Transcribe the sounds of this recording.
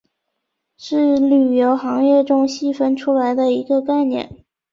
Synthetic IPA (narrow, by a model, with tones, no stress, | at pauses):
ʂɻ̩˥˩ly˨˩jo˧˥ʊxɑ˧˥ŋjɛ˥˧ʈ͡ʂʊ˥ŋɕi˥˩fə˥nʈ͡ʂʰu˥la˧˥ɪd̪ə˧i˧˥ɡə˧ka˥˩ɪnjɛ̰˥˩˦n